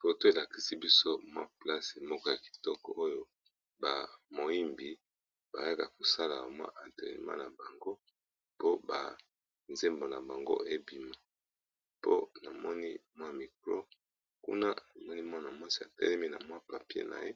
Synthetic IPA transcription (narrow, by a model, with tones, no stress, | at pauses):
fo˨to˦e˨la˨ki˨si˦bi˦so˦mwa̰˦pla˦se˨mɔ˦kɔ˦ja˨ki̥˨tɔ˦kɔ̰˨ʔo˦jo˦ | ba˨mo˨i˦mbi˨ | ba˨ja˦ka˨ko˨sa˦la˨a˨mwa̰˦ʔa˨nte˨ḭ˨ma̰˦na˨ba˨ŋɡo˦ | po˦ba̰˨ | nze˦mbo˨na˨ba˨ŋɡo̰˦ʔe˦bi˦ma˦ | po̰˦na˨mɔ˦ni˦mwa˦˨mi˨ko˨lo̰˦ | kṵ˦na˦na˨mɔ˦ni˦mwa˦na˨mwa˦si˦˨a̰˨tɛ̰˦lɛ˦mi˦na̰˨mwa˦pa˨pḛ˦na̰˨je˦